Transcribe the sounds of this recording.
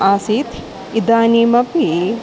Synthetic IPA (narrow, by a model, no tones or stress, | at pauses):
ʔaːsit̪ʰ | id̪aːniːmɐpi